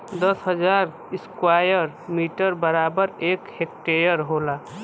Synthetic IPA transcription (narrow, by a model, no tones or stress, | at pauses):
d̪əsɦəd͡ʒaɾ | iskwajəɾ | miʈəɾbəɾabəɾekhek̚ʈejəɾɦola